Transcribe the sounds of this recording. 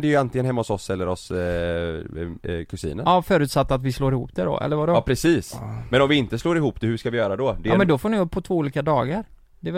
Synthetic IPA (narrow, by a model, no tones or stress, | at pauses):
d̪ɛjant̪ɪŋənɦɛmːahʊsɔsɛlːəɾɔs | kʰɵsḭːnə̰nɑfœːɾʉ̟ːt̪sat̪ːat̪vɪsloːɾɪhṵːpd̪̥æɖɔ̰ʔɛ̰lːəɾvadɔpʰɾɛsiːsmɛnɔmvɪɪnt̪əsloːɾɪhuːpd̪ɛhʉʂkavɪjœːɾad̪ɔd̪ɛmɛnd̪ɔfoːnɪɵpːpʰːɔt̪ʰvoːuːliːkad̪ɑːɡaɾ | d̪ɛ